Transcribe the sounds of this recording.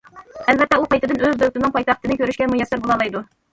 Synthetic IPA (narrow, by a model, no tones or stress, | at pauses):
ælbɛt̪ːɛuqɑjt̪ɨd̪ɨnøzd̪øt̪ɪnɨŋpʰɑjt̪ɑχt̪ɨnɨkʲʰøɾyʃkʲɛmujɛsːæɾbolˠɑlˠɑjd̪u